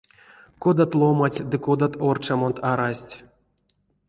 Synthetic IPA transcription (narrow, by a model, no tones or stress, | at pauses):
kod̪at̪lˠomatʲd̪ɨkod̪at̪ort͡ʃamont̪aɾasʲtʲ